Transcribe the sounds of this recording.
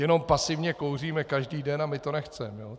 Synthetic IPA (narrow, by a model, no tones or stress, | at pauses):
jɛno̞mpasɪvɲɛko̞wr̝iːmɛkaʒdiːdɛnamɪt̪o̞nɛxt͡sɛmɛjoː